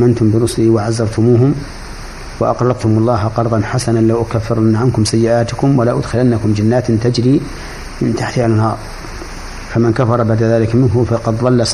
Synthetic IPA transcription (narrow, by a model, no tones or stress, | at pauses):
mant̪ʊmbɪɾʊsliwaʕazːɑɾˤt̪ʊmuːɦʊm | waʔɑ̰qlɑt̪t̪ʊmʊlˤːɑːɦqɑɾˤd̪ˤɑnħasananlawʔʊkafːɪɾˤanːaʕankʊmsajːɪʔaːt̪ʊkʊmwalaʔʊd̪xɪlanːakʊmd͡ʒanːaːt̪nt̪ad͡ʒɾiː | mɪnt̪aħt̪ɪhalnhɑːɾˤ | famankafɑɾˤɑbaʕd̪aðaːlɪkmɪnɦʊmfɑqɑd̪ðˤɑlːa